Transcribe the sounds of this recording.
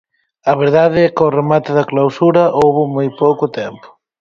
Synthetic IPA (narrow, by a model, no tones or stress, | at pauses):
ɐβ̞eɾðaðɪɛkoremat̪ɪðɐklawsuɾɐʔowβʊmojpowkʊt̪ɛmpʊ̥